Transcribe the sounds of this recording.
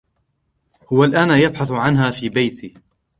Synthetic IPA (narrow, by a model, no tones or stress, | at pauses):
hʊwalʔaːnajabħaθʕanɦaːfiːbajt̪ʰiː